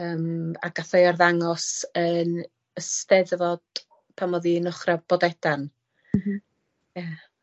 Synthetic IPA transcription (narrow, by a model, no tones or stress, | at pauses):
əːma̰ɡ̥aθejɔrðaŋɔsən | əstɛðvɔd̥ | pʰamɔðinʊχrab̥ɔdɛd̥an̩ | ja